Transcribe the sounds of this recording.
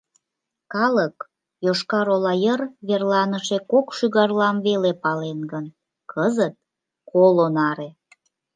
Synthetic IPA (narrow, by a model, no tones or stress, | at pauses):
kɑlək | joʃkɑɾolɑjərβerlɑnəʃekokʃyɣɑrlɑmβelepɑlenɡən | kʰəzət̪̚ | kʰolonɑɾe